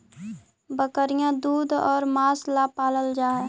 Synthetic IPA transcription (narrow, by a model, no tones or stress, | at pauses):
bəkəɾijãd̪uːd̪ʱɔːɾmaːslapaːləld͡ʒaːɦɛ